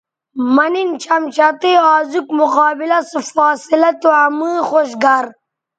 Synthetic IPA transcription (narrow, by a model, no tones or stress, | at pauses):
manint͡ʃɐmt͡ʃat̪eaːzukmʊqɑːbilɐsɨfaːsilɐt̪uamɨːxoʃɡaɾ